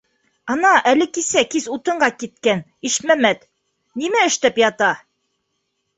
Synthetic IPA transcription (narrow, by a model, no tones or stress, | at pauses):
ɑnɑʔælɘkisækizut̪ɤ̆ɴɢɑkit̪̚kæn | iʃmæmæt̪ | nimæɘ̆ʃt̪æpjɑt̪ɑ